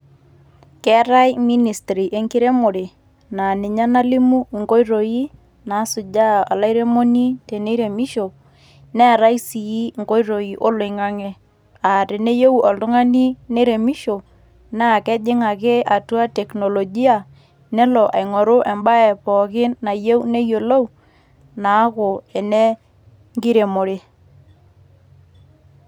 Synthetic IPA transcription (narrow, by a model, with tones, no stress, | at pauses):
kɛ˨˦ɾa˦jmi˦ni˨stɾi˨ʔe˦ŋkɪ˦ɾe˦mo˨ɾe˨ | na˨nɪ˨ɲa˦na˦li˦mu˦˨ŋko˦i˦ɾo˨ji˦ | na˨˦sʊ˨d͡ʒa˦a˨la˦ijɾe˦mo˦ni˦te˨ne˦ɾe˨mi˦ʃo˨ | nɛ˦˨ɾa˦jsi˨i˦ŋko˦jɾo˨ji˨ʔo˦lʊ˨ɪŋa˦ŋɛ˦ | a˨te˨ne˦je˦u˨ʔɔ˨ltʊ˦ŋa˦ni˦ne˦ɾe˨mi˦ʃo˨ | na˦˨kɛ˦d͡ʒɪ˦ŋa˨kɪ˦ʔa˨tu˦a˦te˨kno˨lo˨ɡi˦a˨ | nɛ˦lɔ˨ʔa˨jŋo˨ɾʊ˦ʔɛ˨mba˦ɛ˨pɔ˨k̬ɪ˦nːa˨je˦wu˦ne˦jo˨lo˦w | naː˨˦kʊ˨ɛ˨ne˦ | ŋɡi˦ɾe˨mo˨ɾe˦